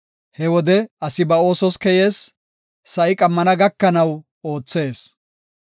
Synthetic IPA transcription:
hɛwɔd̪ɛɐsɪbɐo̞ːsɔskɛjeːsː | ɐʔɪkʼɐmːɐnɐɡɐkːɐnɐw | o̞ːt͡sːe̞ːs

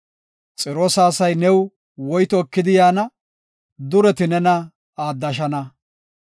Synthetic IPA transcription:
t͡sʼɪɾoːsaːsɐjnɛw | wɔjt̪ɔkːɪd̪ɪjaːnɐ | d̪ʊɾɛt̪ɪnɛnɐ | aːd̪ːɐʃ̬ɐnɐ

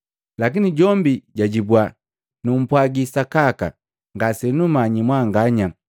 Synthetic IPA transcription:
lakiniɟɔmbiɟaɟibwa | num̩pwaɡisakaka̰ | ŋɡasɛnumaɲimwaŋɡaɲa

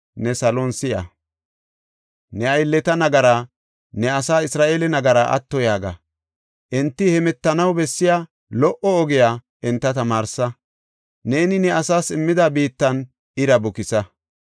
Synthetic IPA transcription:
nɛsɐlonsɪjɐ̰ | nɛɐjlːɛt̪ɐnɐɡɐɾaː | nɛɐsaːɪsɾaːʔeːlɛnɐɡɐɾaːʔɐ̰t̪ːɔjaːɡɐ̰ | ʔɛnt̪ːɪhɛmɛt̪ːɐnɐwbɛsːɪjaː | lɔʔɔɔɡɪjaː | ʔɛnt̪ːɐt̪ɐmaːɾsɐ | ne̞ːnɪnɛɐsaːsɪmːɪd̪abiːt̪ːɐn | ɪɾɐbʊkɪsɐ

